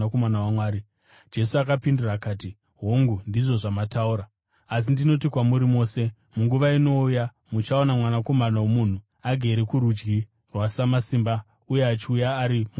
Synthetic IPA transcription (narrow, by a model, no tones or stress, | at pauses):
komanawamwaːɾi | d͡ʒe̞suakapinduraːkaːti | ɦoŋɡundiʐo̞ʐamatauɾaː | s̬indino̞tikwamuɾimo̞ːse̞ | muŋɡuʋaino̞uja | mut͡ʃaonamwanako̞manawomun̤u | aɡʱeɾekuɾud͡ʒɡi | rwasamasiːmba | uje̞at͡ʃiujaːɾimu